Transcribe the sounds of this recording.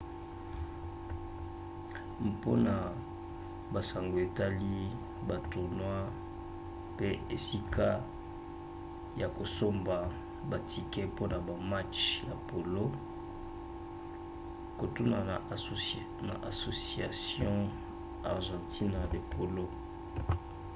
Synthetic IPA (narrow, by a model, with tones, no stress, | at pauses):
po˦na˨ | ba˨sa˨ŋɡo˨e˨ta˦li˦ | ba˨to˨nwa˦ | pe˦e˨si˦kʰa˦ | ja˨ko˨so˦mba˨ | ba˨tʰi˨kɛ˦po˦na˨ba˨ma˦t͡ʃja˨po˨lo˦ | ko˨tu˦na˨ | na̰˨ʔa˨so˨si˨a˨sjɔ̃˦ | a̰˨ʁʒɑ̃˨tʰi˦na˨le˨pʰo˨lo˦